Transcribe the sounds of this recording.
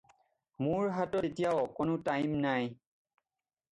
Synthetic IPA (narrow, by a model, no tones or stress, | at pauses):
mʊɹɦatɔetijawkonʊtajmnaj